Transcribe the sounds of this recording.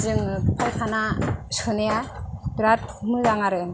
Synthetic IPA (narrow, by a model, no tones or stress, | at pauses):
zɯŋpʰajtʰanasɯnijabɾat̚ʰmɯzaŋaɾɯ